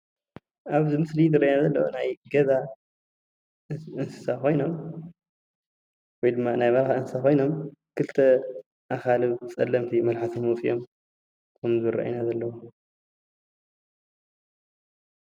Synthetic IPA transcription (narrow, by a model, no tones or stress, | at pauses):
ʔaβzɨmɨslizɨrajnazɐlːɐwunajɡɐza | ɨnsɨ̥sako̞jno̞m | wɔjd̪ɨmːanajβalxaɨnsɨsakʰo̞jno̞mkʰɨlt̪ʰɐ | ʔakalɨβt͡sʼɐlːɐmt̪ʰimɐlħat̪ʰomut͡sʼijom | kʰɐmzɨɨrʔa̰ʔinazɐlːɐwu